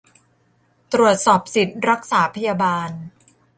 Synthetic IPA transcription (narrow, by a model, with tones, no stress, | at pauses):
t̪ɾu˨˩ət̪̚sɔː˨˩p̚si˨˩t̪̚ɾa˦˥k̚saː˩˦pʰa˧jaː˧baː˧n